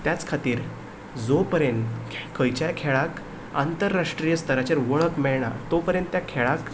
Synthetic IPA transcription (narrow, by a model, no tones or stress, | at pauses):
t̪jat͡skʰat̪iːɾ | d͡zopəɾjənt̪kʰəjt͡ɕajkʰeɭak | ant̪əɾːaʂʈɾijəst̪ʰəɾat͡ɕaɾʋəɭəkmɛɭɳ̃a̰t̪opəɾjə̃nt̪ːjakʰeɭak